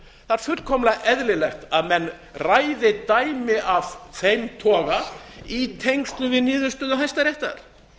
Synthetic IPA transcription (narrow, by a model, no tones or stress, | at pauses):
θaɾ̥fʏɾkʰɔmlaɣʔɛðlɪlɛxt̪aðmɛnː | raːjðɪt̪aːjmɪavθejmt̪ʰɔːɣait̪ʰejŋkst̪lʏvɪðniːðʏst̪œːðʏɦajst̪aɾɛht̪a̰ɾ̥